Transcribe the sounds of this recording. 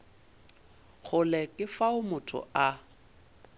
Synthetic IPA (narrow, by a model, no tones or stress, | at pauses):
χʊlɛkʼɪfaʊmʊtʰʊ̰a